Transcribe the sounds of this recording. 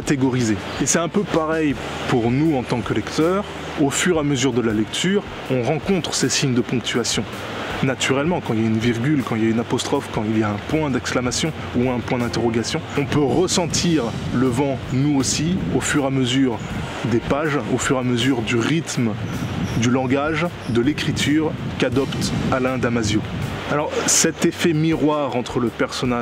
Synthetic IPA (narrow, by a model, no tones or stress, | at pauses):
at̪eɡɔʁize | esɛt̪ɛ̃pøpaʁɛj | puʁnuɑ̃t̪ɑ̃kəlɛkt̪œʁ | ofyʁaməzyʁd̪əlalɛkt̪ʰyːʁ | ɔ̃ʁɑ̃kɔ̃t̪χə̥sesiɲd̪əpɔ̃k̚t̪ʰyasjɔ̃ | nat̪yʁɛlmɑ̃kɑ̃iljaynviʁɡʲylkɑ̃iljaynapɔst̪χɔfkɑ̃iljaɛ̃pwɛ̃d̪ɛksklamasjɔ̃ | uɛ̃pwɛ̃d̪ɛ̃t̪eʁɔɡasjɔ̃ɔ̃pøʁəsɑ̃t̪ʰiʁləvɑ̃nuosiofyʁaməzyʁ | d̪epaʒofyʁaməzyʁd̪yʁit̪m | d̪ylɑ̃ɡaʒ | d̪əlekχit̪ʰyːʁkad̪ɔpt̪alɛ̃d̪amazjoalɔʁsɛt̪efɛmiʁwaʁɑ̃t̪χələpɛʁsɔna